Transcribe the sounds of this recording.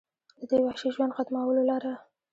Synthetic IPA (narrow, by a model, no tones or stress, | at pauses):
d̪əd̪ewahʃiʒwand̪xat̪mawəlolɑɾa